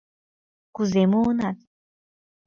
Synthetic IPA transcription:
kuzemuonat̪̚

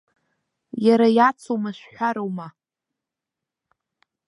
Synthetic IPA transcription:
jaɾajat͡sʰowmaʃʷᶣħʷᶣaɾowma

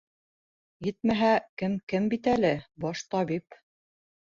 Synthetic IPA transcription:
jɘt̪̚mæɦækɘmkɘmbit̪ælɘbɒʃt̪ɑβip

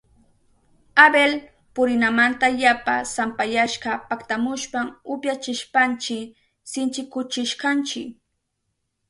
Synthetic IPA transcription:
abel | pʊɾɪnamant̪aʎapa̰sampajaʃɢɑpakt̪amʊʃpamʊpjat͡ʃɪʃpant͡ʃɪ | sɪnt͡ʃɪkʊt͡ʃɪʃkɑnt͡ʃɪk

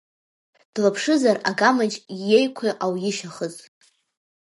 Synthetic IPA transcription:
d̥lapʰʂɨzaraɡamad͡ʒjejkʷʰiʔawjɪʃaχəz

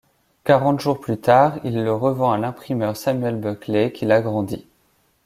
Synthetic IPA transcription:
kaʁɑ̃t̪ʒuʁplyt̪aʁilːəʁəvɑ̃alɛ̃pχimœʁsamɥɛlbœklekʲilaɡʁɑ̃d̪ḭ

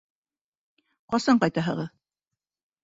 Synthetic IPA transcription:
qɒsɑɴqɑjt̪ɑɦɤ̰̆ʁɤð

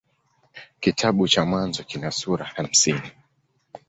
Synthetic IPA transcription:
kitʰaɓut͡ʃamwanzɔkinasuɾaham̩sini

